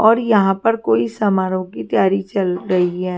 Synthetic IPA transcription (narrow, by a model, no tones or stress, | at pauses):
ɔːɾjɐɦãpɐɾkoːisɐmaːɾõkit̪jaːɾit͡ʃɐlɾɐɦiɦɛː